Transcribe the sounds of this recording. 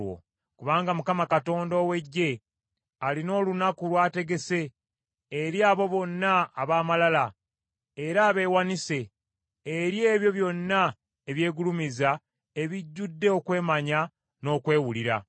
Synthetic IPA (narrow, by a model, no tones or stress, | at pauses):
wo̰ | kuβaːŋɡamukamakato̞ːndo̞ːwe̞ɟːe̞ | alino̞ːlunakulwaːte̞ɡe̞se̞ː | ɾjaːβo̞βo̞nːaːβaːmalala | e̞ɾaːβe̞ːwanise̞ː | ɾje̞ːβjo̞βjo̞nːa | eβje̞ːɡulumiza | e̞βiɟːudːe̞o̞kwe̞ːmaɲa | no̞ːkwe̞ːwuliɾa̰